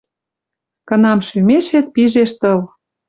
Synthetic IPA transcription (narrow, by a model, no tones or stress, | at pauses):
kɤ̆nɑmʃymeʃet̪̚piʒeʃt̪ə̆l